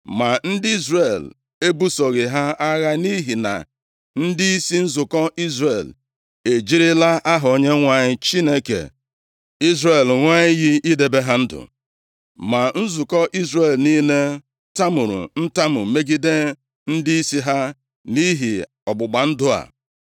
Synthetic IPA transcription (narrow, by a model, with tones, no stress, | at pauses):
ma˨n̩˦dɪ˦i˦zre˨l | e˦bu˦so˨ɣɪ˨ɦa˦a˦ɣa˦ni˦ɦi˨na̰˨ | n̩˦di˦i˦si˦n̩˦zʊ˨kɔ˦ʔi˦zre˨l | e˨d͡ʒi˦ɾɪ˦la˦ʔa˦ɦʊ˨o˨ɲe˦ŋʷa˨ɲɪ˦t͡ʃi˦ne˦kḛ˨ | i˦zre˦˨lŋʷa˦ɲɪ˦ɣi˦i˦de˨be˦ɦa˦n̩˦dʊ̰˨ | ma˨n̩˦zʊ˨kɔ˦ʔi˦zɾe˨lni˦ne˦ | ta˦mʊ˨ɾʊ̰˨n̩˦ta˦mʊ̰˨me˦ɡi˦de˦ | n̩˦di˦i˦si˦ɦa˦ | ni˦ɦi˨ | ɔ˨ɡ͡bʊ˨ɡ͡ba˨n̩˦dʊ˦a̰˨